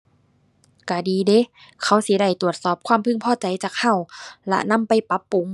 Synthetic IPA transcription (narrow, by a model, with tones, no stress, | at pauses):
kaː˧˩diː˨˧de˧˦ | kʰa˧˩wsi˧˦da˧˩jt̪u˨˩ət̪̚sɔː˨˩p̚kʰwaː˧˥˨mpʰɯ˧˥˨ŋpʰɔː˧˩˨t͡ɕa˨˦jt͡ɕaː˨˩k̚ha˧˩wlɛ̰˧na˧˥˨mpa˧˩jpa˧˦˥pːu˨˧˦ŋ